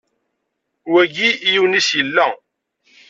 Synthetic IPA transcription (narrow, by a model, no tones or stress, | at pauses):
wæɡijiwnisjəlːæ